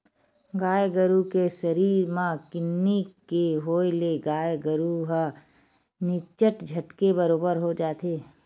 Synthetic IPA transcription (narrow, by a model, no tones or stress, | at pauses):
ɡaːjɡəɾukesəɾiːɾmãkɪnːikeɦoːeleɡaːjɡəɾuɦə | nɪt͡ʃəʈd͡ʒʱəʈkebəɾoːbəɾɦod͡ʒaːt̪eː